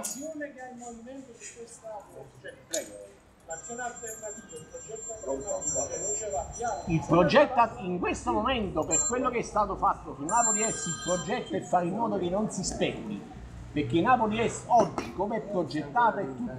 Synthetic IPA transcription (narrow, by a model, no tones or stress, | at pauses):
sjoːnekailmːoviment̪od̪ikwest̪a | teaipd͡ʒɛt̪ːo | ilpɾod͡ʒɛt̪ːiŋkwest̪omomɛnt̪operkwelːokeɛst̪aːt̪ofat̪ːosunːaːpoliɛsilpɾod͡ʒɛt̪ːoɛfːaɾilmɔːd̪ok̟enːonsispɛkːḭ | perk̟ːenaːpoliɛsɔd͡ʒːikomɛpːɾod͡ʒːet̪ːaːt̪aɛt̪ːu